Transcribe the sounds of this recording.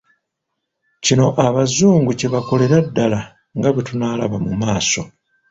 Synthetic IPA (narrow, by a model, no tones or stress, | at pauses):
cino̞ʔaβazuːŋɡuce̞βako̞le̞ɾadːala | ŋɡaβetunaːlaβamumaːso̞